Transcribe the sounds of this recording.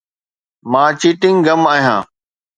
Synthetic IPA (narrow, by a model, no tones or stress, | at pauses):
mãːt͡ɕiʈɪ̃ŋɡɡɐmaːɦijã̰ː